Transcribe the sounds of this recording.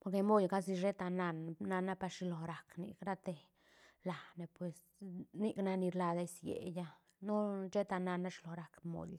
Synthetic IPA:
po˧ɾke˧mo˦jɡa˦s̬i˧ʃe˦t̪a˧na˧nna˧na˦pa˧ʂi˧lo˨ɾa˨knḭ˧kɾa˦t̪e˧ | la˨ne˨pwe˨s | ni˦˧kna˧ni˧ɾla˧d̪e˦sjḛ˨ja˦ | no˦t͡ʃe˦t̪a˧na˧na˦ʂi˧lo˨ɾa˨kmo̰˨j

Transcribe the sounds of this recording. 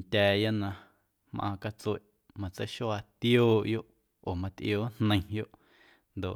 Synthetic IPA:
nt̪ʲɛː˨˧ja˦ʔnã˧ | mʔã̰ː˧ka˧t͡swe˨ʔ | mã˧t͡sə˦ʃo˦a˧t̪joː˦˨ʔjo˦ʔ | o˨mã˧t̪ʔjoː˦nnə̃˧j̃jo˦ʔ | nd̪o˨ʔ

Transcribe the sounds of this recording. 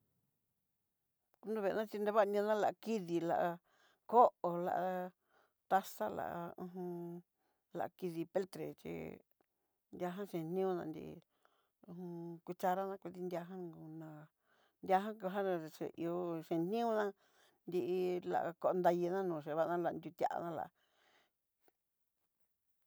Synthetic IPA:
u˦nd̪ũ˧βe˧˨˧nã˦t͡ʃi˧nd̪e˧βa˦˧nʲĩ˧nã˦la˨ʔa˧ki˦ði˧la̰˧ʔa˧ | ko˦ʔo˨la̰˧ʔa˧ | t̪a˧sa˦la̰˨ʔa˧ũ˧ɦũ˧ | la̰˧ʔki˧ði˧pe˦lt̪ɾe˨t͡ʃḭ˧ | nd̪ʲa˧ɦã˦ʂẽ˨n̥nĩ˦ũ˦˧nã˧nd̪ḭ˧ʔḭ˧ | ũ˧hũ˧kʷi˧t͡ʃa˧ɾa˦nã˧kʷi˧ði˧nd̪ʲa˧ɦã˦˧ɡu˧nã˧ | nd̪ʲa˧ɦã˦ku˧ɦã˦˧˨ʂḛ˨ʔḭ˧o˧ʃẽ˨n̥nĩ˦ũ˦nã˦ | nd̪i˧ʔi˧la̰˧ʔa˧ko˧ʔnd̪a˧ji˧nã˦nũː˨ʃ̬e˧βa˧nã˦la˧nd̪ʲu˧t̪ʲa̰˧ʔa̰˧nã˦˧la̰˧ʔ

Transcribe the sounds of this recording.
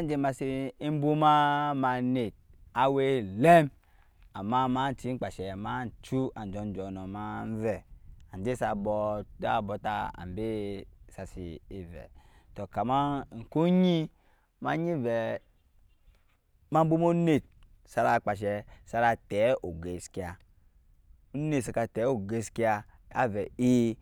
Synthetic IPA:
a˦n˦d͡ʒe˨˦ma˨si˦i˦m̩˦bu˦ma˦ma˨ne˨t̚ | a˨we˦le˦m | a˨mːa˦ma˦n̩˨ti˦ŋ͡m̩˦k͡pa˨ʃɛ˨ma˦n̩˨t͡ʃu˦a˨n˨d͡ʒɔ˨n˦d͡ʒɔ˨nɔ˨ma˦n˦vɛ˦˨a˨n˨d͡ʒe˦sa˨bɔ˨a̰˦˨bɔ˨ta˦a̰˨m˨be˦sa˨sḭ˨i˨vɛ̰˨ | to˨ka˨ma˦˨ŋ̩˨ku˦ɲi˦ | ma˦ɲi˦vɛ˨ | ma˦m̩˦bu˦mo˦ne˦˨t̚ | sa˧ɾa˨˧˨k͡pa˨ʃ̬ɛ˨sa˨˦ɾa˧tɛ˨˦o˨ɡe˨ski˦a˨ | u˦ne˦˨sa˨ka˨˧tɛ˨˦o˨ɡe˨˦ski˦a˧ | a̰˦vɛ˨i˦

